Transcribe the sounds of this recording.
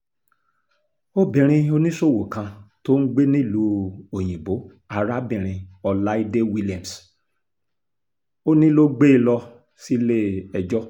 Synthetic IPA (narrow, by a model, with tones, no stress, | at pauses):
o˦bĩ˨ɾ̃ĩ˧o˦nĩ˦so˦˨wo˨kã˧to˦n̩˦ɡ͡be˦nĩ˦˨lu˧o˨j̃ĩ˨bo˨˦ | a˨ɾa˦bĩ˨ɾ̃ĩ˧ɔ˧la˦i˦de˦wi˦li˨ã˨m̩˨s | o˦nĩ˦lo˦ɡ͡be˦˧˨lɔ˧ | si˦le˦ɛ˨d͡ʒɔ˦